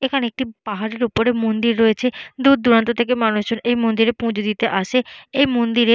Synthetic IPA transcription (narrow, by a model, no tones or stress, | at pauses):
ekʰaneek̚ʈipaɦaɾeɾupoɾemond̪iɾːoet͡ɕʰed̪ud̪̚d̪uɾant̪ot̪ʰek̬emanuʃd͡ʑonʔejmond̪iɾepũd͡ʑod̪it̪eʔaʃeejmond̪iɾe